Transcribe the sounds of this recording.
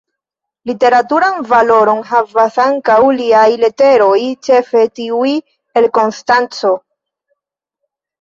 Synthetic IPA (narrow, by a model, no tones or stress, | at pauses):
lite̞ɾatuɾanvalo̞ɾo̞nɦavasaŋkawliajle̞te̞ɾo̞jt͡ʃe̞fe̞tiui | e̞lko̞nstant͡so̞